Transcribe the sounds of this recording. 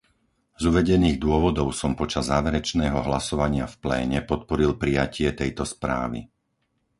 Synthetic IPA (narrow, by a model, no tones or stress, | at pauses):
zuʋɛɟɛniːɣd̪ʊɔʋɔd̪ɔʊsɔmpɔt͡ʃazːaːʋɛɾɛt͡ʃnɛːɦɔɦlasɔʋaɲɪafplɛ̰ːɲɛpɔt̪̚pɔɾilpɾijacɪɛt̪ɛjt̪ɔspɾa̰ːʋḭ